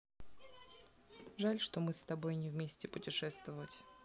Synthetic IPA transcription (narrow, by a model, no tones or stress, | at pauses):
ʐalʲʂt̪o̞mɨst̪ɐbo̞jnʲɪvmʲesʲtʲɪpʊtʲɪʂɛst̪vəvətʲ